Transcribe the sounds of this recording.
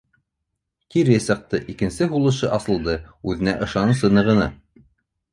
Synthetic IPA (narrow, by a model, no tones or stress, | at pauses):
t̪iɾsɤ̆q̚t̪ɤʔikɘ̆nsɘɦulˠɤ̆ʃɤʔɑsɤ̆lˠd̪ɤʉðɘ̆næ̰ʔɤ̆ʃɑnɤsɤnɤ̆ʁɤ̆nɤ